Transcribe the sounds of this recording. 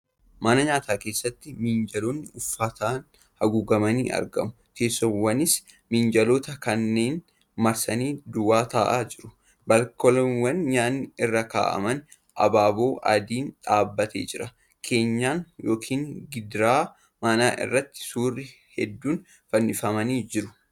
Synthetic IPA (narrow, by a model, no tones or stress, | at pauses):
mɐnɐɲaːt̪aːke̞ːsːɐt̪ːɪmɪnd͡ʒɐloːnːɪʊfːɐt̪ʰaːn | hɐɡuɡɐmɐniːʔɐ̰ɾɡɐ̰mʊke̞ːsːɔmwɐnɪs | mɪnd͡ʒɐlo̞ːt̪ɐkɐnːe̞ːn | mɐɾsɐniːd̪ʊwaːt̪aːʔaːd͡ʒɪɾʊ | bɐlkɔlɔnwɐnɲaːnːɪɪrːɐka̰ːʔɐ̰mɐn | ʔɐ̰baːbo̞ːʔɐd̪iːnᶑaːbːɐt̪ḛːd͡ʒɪɾɐ | kʰe̞ːɲːaːnjo̞ːkʰiːŋɡɪd̪ɾaː | manaːʔɪ̰rːɐt̪ːɪ̥suːrːɪ | hɛd̪ːuːn | fɐnːɪfɐmɐniːd͡ʒɪɾʊ̥